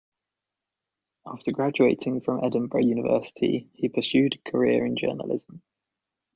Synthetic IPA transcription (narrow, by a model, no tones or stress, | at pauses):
ʔɑˑftəɡɹad͡ʒueɪtʰɪ̃ŋfɹə̃mʔɛdⁿə̃n̩bɹəjʉːnɪvɜ̰ˑsɪ̥tʰḭipʰəsjʉːd̥kʰəɹɪəɹɪ̃nd͡ʒɜ̰ːnə̰lɪ̰zə̃m